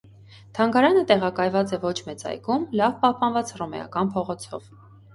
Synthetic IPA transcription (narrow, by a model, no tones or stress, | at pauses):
t̪ʰɑŋɡɑɾɑnət̪ɛʁɑkɑjvɑt͡sɛvɔt͡ʃʰmɛt͡sɑ̰jkumlɑvpɑhpɑnvɑt͡srɔmɛ̰ɑ̰kɑnpʰɔʁɔt͡sʰɔ̰v̥